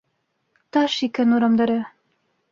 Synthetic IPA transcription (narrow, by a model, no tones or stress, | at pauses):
t̪ɑʃikænuɾɑmd̪ɑɾɤ